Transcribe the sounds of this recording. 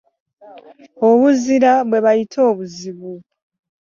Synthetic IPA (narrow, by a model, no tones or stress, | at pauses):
o̞βuziɾaβwe̞βajitʰo̞ːβuziβu